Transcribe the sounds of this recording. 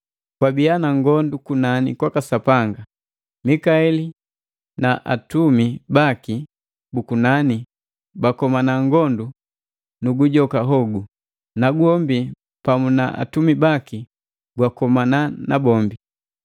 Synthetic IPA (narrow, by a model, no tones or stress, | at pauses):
kwabianaŋɡɔndukunanikwakasapaŋɡa | mikaɛli | naʔa̰tumibaki | bukunani | bakɔmanaŋɡɔndu | nuɡuɟɔkaɦɔɡu | naɡuhɔmbi | pamunaʔa̰tumibaki | ɡwakɔmananabɔmbi